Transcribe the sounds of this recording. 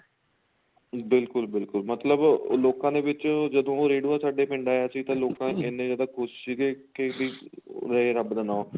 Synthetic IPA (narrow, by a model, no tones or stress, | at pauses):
bɪlkʊlbɪlkʊlmət̪ləbloːkãːd̪eːʋɪt͡ʃd͡ʒəd̪õːoːɾeːɖuaːsaːɖeːpɪ̃ɳɖaːeaːsiːt̪ãːloːkãːɪnẽːd͡ʒaːd̪aːkʰʊʃsiːɡeːkediːɾəeːɾəbd̪ənaːo